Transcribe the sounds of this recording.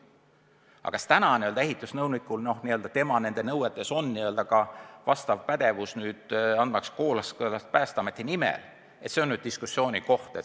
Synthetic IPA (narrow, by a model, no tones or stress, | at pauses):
ɑ̰kɑst̪ænɑniø̞ld̪ɑeɦit̪ːˑusnɤwnikːˑulno̞hniø̞ld̪ɑt̪e̞mɑne̞nd̪̥e̞nɤwet̪ːˑe̞so̞nːiø̞ld̪ɑkɑvɑst̪ɑvpæd̪̥e̞vusnyːd̪̥ɑnd̪̚mɑksko̞ːlɑskɤlɑst̪̚pæːst̪ɑmet̪ːˑenimḛl | e̞t̪seonːyːd̥̪̚iskusːio̞ːnʲiko̞ht̪e